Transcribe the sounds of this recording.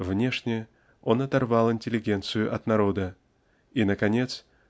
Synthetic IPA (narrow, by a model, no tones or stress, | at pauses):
vnʲeʂnʲɪ | onɐt̪ɐrvɑlˠɪnʲtʲɪlʲɪɡʲɛnt̪sɨjʊʔɐt̪nɐɾod̪ə | inəkɐnʲet̪s